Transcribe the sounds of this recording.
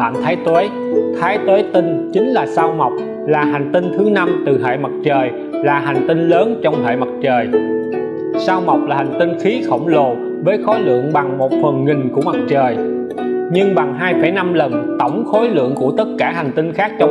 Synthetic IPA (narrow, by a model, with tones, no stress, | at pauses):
a̰ː˧˨mt̪ʰaː˨˦jt̪we˨˦j | t̪ʰaː˨˦jt̪we˨˦jt̪ï˧ŋ̟t͡ɕï˨˦ŋ̟laː˨˩saː˧wma˨˩wk͡p̚ | laː˨˩ɦa˨˩jŋ̟t̪ï˧ŋ̟t̪ʰɨ˨˦na˧mt̪ɨ˨˩ɦḛ˧˨jma˨˩t̚t͡ɕəː˨˩j | laː˨˩ɦa˨˩jŋ̟t̪ï˧ŋləː˨˦nt͡ɕɔ˧wŋ͡mhḛː˧˨jma˨˩t̚t͡ɕəː˨˩j | saː˧wma˨˩wk͡p̚laː˨˩ha˨˩ŋ̟t̪i˧ŋ̟xi˨˦xə̰˧˩wŋ͡mlo˨˩ | vəː˨˦jxɔ˨˦jlɨ̰˧˨əŋɓa˨˩ŋmo˨˩t̚fə˨˩nŋi˨˩ŋ̟ku˧˩əma˨˩t̚t͡ɕəː˨˩j | ɲɨ˧ŋɓa˨˩ŋɦaː˧jfa˧˩jna˧mlə˨˩nt̪ə˧˩wŋ͡mxo˨˦jlɨ̰˧˨əŋku˧˩ət̪ə˦˥t̚kaː˧˩ha˨˩ŋ̟t̪ï˧ŋ̟xaː˦˥k̚t͡ɕɔ˧